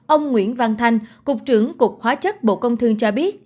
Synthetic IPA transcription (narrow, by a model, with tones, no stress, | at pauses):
ʔə˧wŋ͡mŋwḭ˧˩ənva˧ŋt̪ʰa˧jŋ̟kʊ˨˩k͡p̚t͡ɕɨ˨˧˩əŋkʊ˨˩k͡p̚xwaː˨˦t͡ɕə˦˥t̚ɓo̰˧˨kə˧wŋ͡mt̪ʰɨ˧əŋt͡ɕɔ˧ɓi˦˥ət̚